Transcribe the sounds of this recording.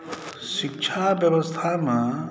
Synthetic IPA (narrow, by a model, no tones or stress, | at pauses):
sik̚t͡ʃʰabjɐbəst̪ʰamã